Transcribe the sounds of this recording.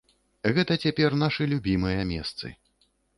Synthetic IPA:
ɣɛt̪ɐt͡sʲapʲɛrn̪aʂɨlʲubʲimɨjɐmʲɛ̰st̪sɨ̰

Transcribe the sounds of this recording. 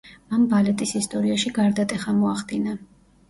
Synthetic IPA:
mambalɛt̪ʼisist̪ʼɔɾiaʃiɡaɾd̪at̪ʼɛχamɔaχd̪ina

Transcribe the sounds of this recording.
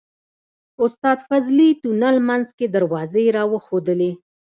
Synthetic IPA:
ʊst̪ɑd̪fazlit̪unalmanzked̪əɾwɑzeɾɑwəxod̪əle

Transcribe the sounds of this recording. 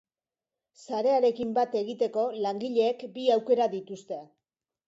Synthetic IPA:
saɾe̞aɾe̞kimbat̪e̞ɣ̞it̪e̞ko̞laŋɡiʎe̞ːkbiawke̞ɾaðit̪ust̪e̞

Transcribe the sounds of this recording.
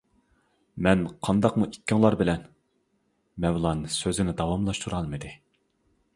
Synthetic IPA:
mɛnqʰɑnd̪ɑqmuʔikʲːɪŋlˠɑɾbɪlɛn | mɛwlˠɑnsøzɪnɪd̪ɑwɑmlˠɑʃt̪ʰuɾɑlˠmɨd̪ɪ

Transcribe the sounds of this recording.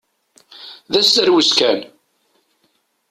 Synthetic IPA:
ðæsəɾwəskæn

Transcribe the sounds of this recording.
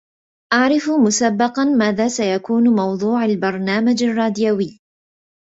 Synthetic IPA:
ʔaʕɾɪfmʊsabːɑqɑnmaːðaːsajakuːnmɑwðˤuːʕalbɑɾˤnaːmad͡ʒarˤːɑːd̪jawɪː

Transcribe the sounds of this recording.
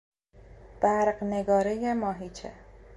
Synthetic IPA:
b̥æɾɢneɡɒːɾejemɒːɦiːt͡ʃʰḛ

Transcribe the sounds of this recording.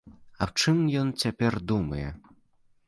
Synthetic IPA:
ɐwt͡ʂɨmjɔnt͡sʲapʲɛrd̪umɐjɛ̰

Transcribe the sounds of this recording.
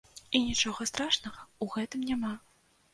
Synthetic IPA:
inʲit͡ʂɔɣɐst̪ɾaʂnɐɣɐuɣɛt̪ɨmnʲama

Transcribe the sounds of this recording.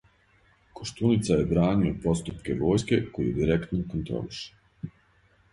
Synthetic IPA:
koʃt̪unit̪sajebɾaːniopo̞st̪upke̞ʋo̞ːjske̞ko̞jijed̪iɾekt̪nokont̪ɾo̰liʃe̥

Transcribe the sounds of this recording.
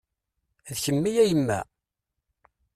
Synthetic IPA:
ðçəmːijæjəmːæ̰

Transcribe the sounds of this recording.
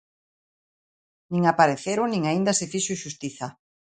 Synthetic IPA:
nĩŋapaɾeθeɾʊnĩŋaind̪asɪfiʃʊʃust̪iθa

